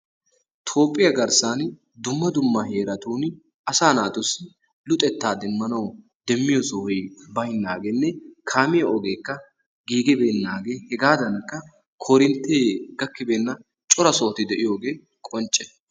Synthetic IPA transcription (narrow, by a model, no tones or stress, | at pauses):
t̪ʰo̞ːpʼːɪjɐɡɐɾsaːn | d̪ʊmːɐd̪ʊmːɐhe̞ːɾɐt̪uːn | ʔɐsaːnaːt̪ʊsɪ | lʊt̪ʼɛt̪ːaːd̪ɛmːɐnɐw | d̪ɛmːɪjosɔhɔjbɐjnːaːɡeːnːɛkʰaːmɪjɐʔɔɡe̞ːkːɐ | ɡiːɡɛbeːnːaːɡe̞ːhɛɡaːd̪ɐnkːɐ | kʰoɾɪnt̪ːeːɡ̥ɐkːɪbeːnːɐ | t͡ʃʼɔɾɐso̞ːt̪ɪd̪ɛʔɪjo̞ːɡe̞ː | kʼɔnt͡ʃʼːɛ̥